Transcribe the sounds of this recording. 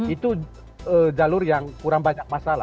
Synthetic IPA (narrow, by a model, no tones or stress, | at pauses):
it̪u | əd͡ʒalʊrjaŋkuɾaŋbaɲak̚masala̰